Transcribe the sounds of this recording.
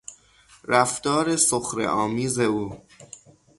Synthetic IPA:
ɾæft̪ɒːɾe̞soxɾḛʔɒːmiːze̞uː

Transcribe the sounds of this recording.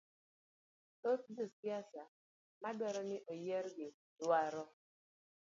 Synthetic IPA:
tosdosiasa | madɔɾɔnɪʔojɛɾɡɪ | dwaɾɔ

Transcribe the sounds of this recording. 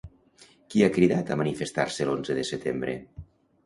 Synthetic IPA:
kiakɾiðat̪amanifest̪a̰ɾselonzəðəset̪embɾḛ

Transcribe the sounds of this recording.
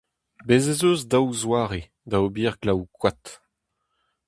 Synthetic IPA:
bezezøːzdawzwaːʁe | d̪aobiːʁɡlawkwat̪

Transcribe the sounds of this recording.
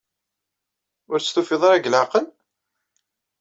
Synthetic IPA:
ʊɾst̪ufiðˤɑɾˤæɡlʕaqən

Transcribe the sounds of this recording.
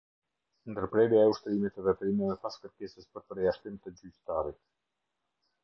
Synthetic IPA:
nd̪əɾpɾɛɾjaɛuʃt̪ɾimit̪ɛvɛt̪ɾimɛðɛpaskəɾkɛsəspəɾpəɾjaʃt̪imt̪əd͡ʑyct̪aɾit̪̚

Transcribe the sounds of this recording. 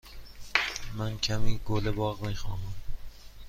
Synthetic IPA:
mæncʰæmiːɡolebɒːɣmiːxɒ̰ːnæm

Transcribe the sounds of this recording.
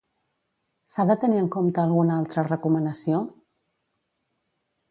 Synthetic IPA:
saðət̪əniəŋkomt̪əːlˠɣunalˠt̪ɾərəkumənəsio

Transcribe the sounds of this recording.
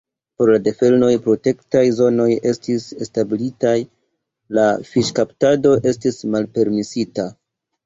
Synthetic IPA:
po̞ɾlade̞fe̞lno̞jpɾo̞te̞ktajzo̞no̞je̞stisestabilitaj | lafiʃkaptado̞ʔe̞stismalpe̞ɾmisita

